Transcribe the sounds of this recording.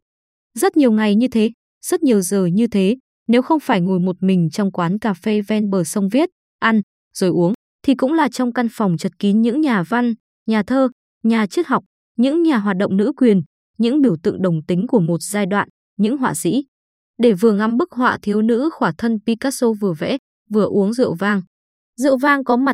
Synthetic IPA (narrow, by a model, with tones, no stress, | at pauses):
zə˦˥t̚ɲi˨˩əwŋa˨˩jɲɨ˧t̪ʰe˨˦ | z̥ə˦˥t̚ɲi˨˩əwzəː˨˩ɲɨ˧t̪ʰe˨˦ | ne˨˦wxə˧wŋ͡mfaː˧˩jŋo˨˩jmo˨˩t̚mï˨˩ŋ̟t͡ɕɔ˧wŋ͡mkwaː˨˦nkaː˧˩fe˧vɛ˧nɓəː˨˩sə˧wŋ͡mvi˦˥t̚ | ʔa˧n | z̥o˨˩jʔu˨˦əŋ | t̪ʰi˨˩kʊ̰˧˥ŋ͡mlaː˨˩t͡ɕɔ˧wŋ͡mka˧nfɔ˨˩wŋ͡mt͡ɕə˨˩t̚ki˨˦nɲɨ̰˧˥ŋɲaː˨˩va˧n | ɲaː˨˩t̪ʰəː˧ | ɲaː˨˩t͡ɕi˦˥t̚ɦa˨˩wk͡p̚ | ɲɨ̰˧˥ŋɲaː˨˩ɦwaː˨˩t̚ɗə̰˧˨ŋ͡mnɨ̰˧˥kwi˨˩ən | ɲɨ̰˧˥ŋɓi˧˩əwt̪ɨ̰˧˨ŋɗə˨˩wŋ͡mt̪ï˨˦ŋ̟ku˧˩əmo˨˩t̚zaː˧jɗwa̰ː˧˨n | ɲɨ̰˧˥ŋɦwa̰ː˧˨sḭ˧˥ | ɗe˧˩vɨ˨˩əŋa˧mɓɨ˦˥k̚ɦwa̰ː˧˨t̪ʰi˨˦əwnɨ̰˧˥xwaː˧˩t̪ʰə˧npi˧kaː˦˥so˧vɨ˨˩əvɛ̰˧˥ | vɨ˨˩əʔu˨˦əŋzɨ̰˧əwvaː˧ŋ | zɨ̰˧˨əwvaː˧ŋkɔ˨˦ma˨˩t̚